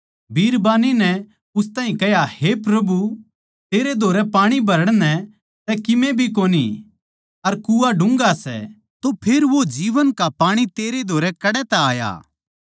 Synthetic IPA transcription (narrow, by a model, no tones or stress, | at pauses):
bʱiːɾbaːninɛ | ʊst̪ãːĩkɛjahepɾɐbu | t̪eːɾed̪ʱoːɾɛpaːɽ̃ibʱɐɾəɽ̃nɛ̃ | t̪ɛkɪmẽbʱik̬oːnḭ | ɐɾkuːaɖʊ̃ŋɡasɛ̰ | t̪opʰeɾʋod͡ʒiːʋənkapaːɽ̃it̪eːɾed̪ʱoːɾɛkɐɽɛt̪ɛaːja̰ː